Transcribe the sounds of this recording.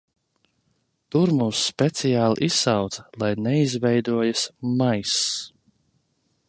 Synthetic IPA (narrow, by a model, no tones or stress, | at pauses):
t̪uɾmuːsːpʲɛt̪sijaːl̰ˠʔisːawt̪sɐ̥lˠajnɛizvɛjd̪uɔjasmajs